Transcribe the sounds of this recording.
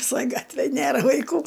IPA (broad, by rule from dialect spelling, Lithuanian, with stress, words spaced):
ʋʲɪˈsoːj ˈɡɑːtʲʋʲeːj ˈnʲeːrɐ ʋɐɪˈkuː